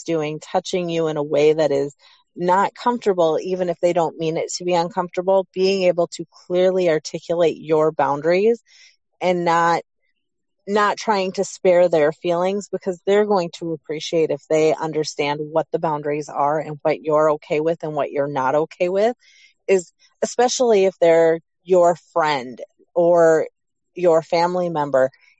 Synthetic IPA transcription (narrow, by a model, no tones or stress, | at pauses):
d̥ʉɪ̃ŋtʰʌt͡ʃɪ̃ŋjɨɪ̃ñəweɪðɨɾɪz | nət̚kʰʌ̃ɱftə˞bl̩ˠivɨ̃nɨfðeɪɾõʊ̃nmĩnɪtʰɨbiʌ̃nkʰʌ̃ɱftə˞bl̩ˠb̥iɪ̃ŋeɪbl̩ˠtʰɨkʰl̥ɪɹliɑɹtʰɪkjəleɪt͡ʃə˞bãʊ̃ndɹiz | ɨ̃nːət̚ | nətʰɹ̥aɪɪ̃ŋtʰɨspɛɹðə˞filˠɪ̃ŋzbɨkʰʌzðə˞ɡoʊɪ̃ŋtʰəəpʰɹ̥iʃieɪɾɨfðeɪʔʌ̰̃ndə˞stæ̃nd̚wʌt̪̚ðəbãʊ̃ndɹizə˞ɨ̃nwʌt͡ʃə˞oʊkʰeɪwɪðɨ̃nwʌ̰t͡ʃə˞nəɾoʊkʰeɪwɪð | ɪz | ɨspɛʃl̩ˠiɨfðə˞ | jə˞fɹɛ̃nd | ə˞ | jə˞fæ̃mlimɛ̃mbə˞